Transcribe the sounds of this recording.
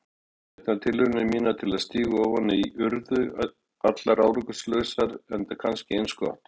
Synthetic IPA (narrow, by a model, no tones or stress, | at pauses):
ɛht̪nat̪ʰɪlʏɾnɪmiːnat̪ʰɪlaðst̪iːɣʏɔvhɔnːɪiʔʏɾðʏ | at̪laɾaːwɾʏkʏslœːsaɾɛnt̪akʰanscɪejnskʏɔ̰ht̪